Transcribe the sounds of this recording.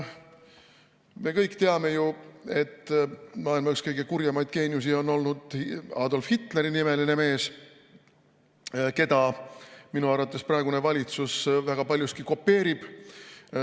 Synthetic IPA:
me̞kɤjkːˑt̪e̞ɑme̞jue̞t̪ːmɑːilmɑkskɤjɡ̥e̞kuɾjɑmɑjd̪̚ke̞ːnjusio̞nːo̞lnud̪̥ɑ̰ːd̪o̞lfhit̪ːˑleɾinime̞line̞me̞ːs | ke̞d̪ɑminuɑrvɑt̪ːˑe̞sprɑe̞ɡune̞vɑlʲit̪susvæɡ̥ɑpɑlʲjust̪̚kiko̞pːe̞ːɾib̥

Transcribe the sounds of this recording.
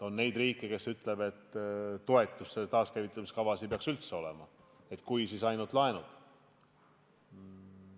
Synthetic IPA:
onne̞jd̪̥riːkːˑike̞syt̪ːˑle̞be̞t̪ːo̞e̞t̪ːˑusːet̪ɑːskævit̪ːˑɑmiskɑvɑsipe̞ɑksylt̪se̞o̞lḛmɑ̰ | e̞t̪ˑkujsisɑjnult̪lɑe̞nud̪̥

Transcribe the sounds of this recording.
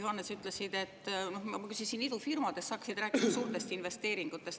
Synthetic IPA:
juhɑnːesyt̪ˑlesid̪̥e̞t̪ːˑnohmɑkysinsinid̪ufirmɑd̪̥esːɑːksid̪̥ɾæːkːˑid̥ɑsuːrt̪e̞st̪inve̞st̪e̞ːɾiŋɡ̥ut̪ːˑe̞st̪

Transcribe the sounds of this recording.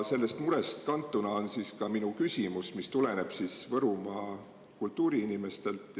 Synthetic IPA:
se̞lːe̞st̪muɾe̞st̪kɑnt̪ːˑunɑo̞nsiːskɑminukysʲimusmist̪ule̞ne̞b̥siːsvɤɾumɑː | kult̪ˑːuːɾiinime̞st̪e̞lt̪ːˑ

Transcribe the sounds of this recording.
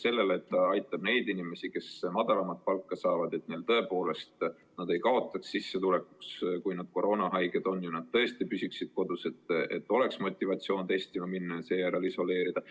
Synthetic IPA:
se̞lːe̞let̪ːɑɑjt̪ːˑɑb̥ne̞jd̪inime̞sike̞smɑd̪̥ɑlɑmɑt̪̚pɑlkːɑsɑːvɑd̪̥e̞t̪̚ne̞lt̪ɤ̞e̞po̞ːle̞st̪ | nɑd̪e̞jkɑo̞t̪ːˑɑksːisːet̪ule̞ku̥kskujnɑd̪̥ko̞ɾʔo̞ːnɑɦɑjɡ̥ed̪̥o̞nːjunɑd̪̥̚t̪ːɤ̞e̞st̪ipysiksid̪̥̚ko̞d̪use̞t̪ːḛt̪ːˑo̞le̞ksmo̞t̪ʲˑːivɑt̪sio̞ːnt̪e̞st̪imɑminːɑjɑseːjæɾeliso̞le̞ːɾid̪̥ɑ

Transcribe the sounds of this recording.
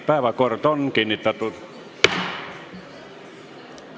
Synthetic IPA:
pæˑeʋækort̪onkinit̪ːæt̪ut̪

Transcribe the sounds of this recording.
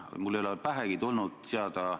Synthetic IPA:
mulːejlepæɦæɡ̥it̪ulnud̪̥seɑd̪ɑ

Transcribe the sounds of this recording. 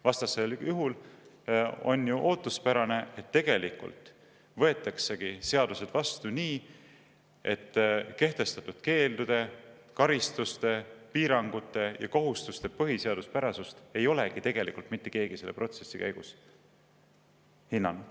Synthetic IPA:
vɑst̪ɑseljuɦul | o̞̰njuʔo̞ːt̪ːˑuspæɾɑne̞et̪ːe̞ɡ̥e̞likṵlt̪ˑ | vɤ̞e̞t̪ːˑɑkse̞ɡ̥ise̞ɑd̪̥use̞d̪̥vɑst̪uniː | e̞t̪ːke̞ht̪e̞st̪ɑt̪ːˑud̪̥ke̞ːld̪ud̪̥e̞ | kɑɾist̪ust̪e̞piːɾɑŋɡut̪ːˑe̞jɑko̞ɦust̪ust̪e̞pɤɦise̞ɑd̪̥uspæɾɑsust̪e̞jo̞le̞ɡ̥it̪e̞ɡ̥e̞lḭkˑult̪mit̪ːˑeke̞ːɡ̥ise̞lːepro̞t̪se̞sːikæjɡ̥us | hinːɑn

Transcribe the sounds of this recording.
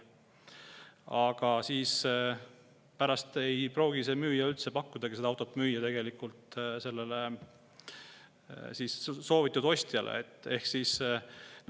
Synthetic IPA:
ɑɡ̥ɑsiːs | pæɾɑst̪e̞jpɾo̞ːɡ̥ise̞ːmyːjɑylt̪se̞pɑkːud̪̥ɑkesed̪ɑwt̪ˑopmyːjɑt̪e̞ɡ̥e̞likult̪se̞lːe̞le | siːsso̞ːvit̪ːˑud̪̥o̞sʲt̪jɑlḛḛt̪ːˑe̞hksiːs

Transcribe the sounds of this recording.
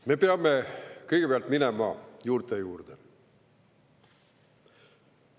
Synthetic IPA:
mepeɑmːekɤjɡ̥epeɑlt̪minɛmɑ̰juːɾt̪ːejuːrd̪̥e

